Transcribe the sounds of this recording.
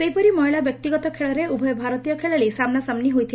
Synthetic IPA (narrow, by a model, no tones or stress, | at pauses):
sejpɔɾimɔɦiɭabjɔk̚t̪iɡɔt̪ɔkʰeɭɔɾeubʱɔjɔbʱaɾɔt̪ijɔkʰeɭɔɭisamnasamniɦojt̪ʰil